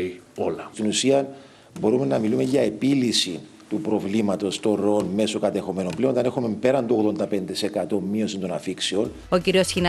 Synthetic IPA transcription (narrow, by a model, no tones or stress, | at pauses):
i | olɐt̪inusiɐ | bo̞ɾume̞nɐmilume̞ʝɐe̞pilisi | t̪upɾo̞vlimɐt̪o̞st̪o̞nɾoonme̞sokɐt̪e̞xo̞me̞no̞mpleont̪ɐne̞xume̞mpe̞ɾɐnd̪o̞ɣðo̞nd̪ɐpe̞nd̪esekɐt̪o̞mmːio̞sint̪o̞nɐfiksio̞n | ociɾio̞sçin